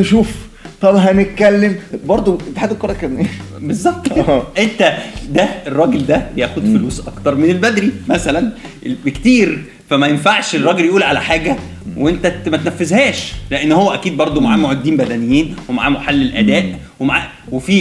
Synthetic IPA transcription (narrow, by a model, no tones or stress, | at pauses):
nʃuːf | t̪ˤɑbɦænet̪̚kælːembɑɾˤd̪ˤot̪ːeħad̪ekɑɾˤekæmnʔeː | bezˤːɑb̚t̪ːʔent̪æd̪æerˤːɑːɡeld̪æbjæːxod̪foluːsʔɑkt̪ɑɾˤmenelbæd̪ɾimæsælæn | bekt̪iːɾ | fæmæjenfaʕʃerˤːɑːɡeljʔuːlʕalæħaːɡæ | weent̪æmæt̪ænæfːezhæːʃleʔenːhowːæʔækiːd̪̚bɑɾˤd̪ˤomaʕaːmoʕod̪ːiːmbæd̪ænejːiːnwemaʕaːmoħalːelʔæd̪æːʔ | wemaʕaː | wefiː